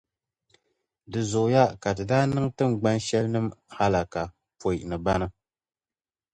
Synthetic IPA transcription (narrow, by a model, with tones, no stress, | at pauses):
dɨ˨zʊ˨ʔʊ˨ja˦ka˨dɨ˨daː˦nɨ˦ŋtɨ˦m˨ɡ͡ba˦nʃɛ˦lnɨ˦mha˦la˨ka˨ | po˨i˨nɨ˨ba˦nɨ˦